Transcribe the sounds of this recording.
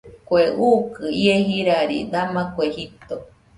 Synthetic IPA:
kʷeuːkɨieɦiɾaɾḭd̪amakʷehit̪o

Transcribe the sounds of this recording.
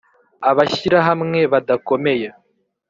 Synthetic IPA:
aβaçiɾaɦamŋe̞βadako̞me̞ja

